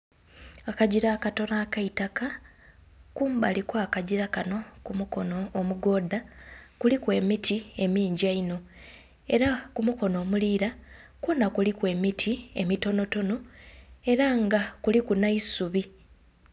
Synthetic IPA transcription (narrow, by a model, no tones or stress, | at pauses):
akaɟiɾaːkato̞naːkaitaka | kuːmbalikoakaɟiɾakano̞kumuko̞no̞ːmuɡo̞ːdakulikwe̞ːmitʰie̞miːɲɟaino̞ | e̞ɾakumuko̞no̞ːmuliːɾakwoːnakulikwe̞ːmitʰie̞̰mito̞no̞to̞no̞e̞ɾaŋɡakulikunaisuβi